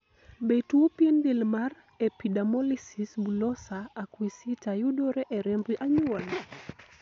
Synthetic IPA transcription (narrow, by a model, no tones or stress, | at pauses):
betuopjendelmar | epidamɔlisisbulɔsaːkwisitajudoɾɛʔɛɾɛmbiʔaɲuwɔl